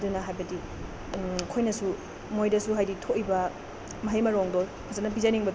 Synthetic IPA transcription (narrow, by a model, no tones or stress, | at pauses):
dunɐɦajbɐdi | kʰojnɐsu | mojdɐsuɦajditʰoʔibɐ | mɐɦejmɐɾɔŋdo | kʰazanɐp̬izaniŋbɐ